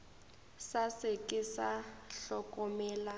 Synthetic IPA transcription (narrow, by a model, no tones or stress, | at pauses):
sasɪkʼɪsaɬɔkʼɔmɛːla